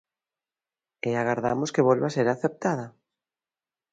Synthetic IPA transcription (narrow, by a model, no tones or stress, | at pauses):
eaɣaɾða̰moskeβolβaseɾaθep̚t̪að̞a